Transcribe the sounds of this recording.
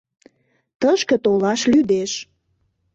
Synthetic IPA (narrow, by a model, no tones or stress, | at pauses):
t̪əʃkə̆t̪olɑʃlyd̪eʃ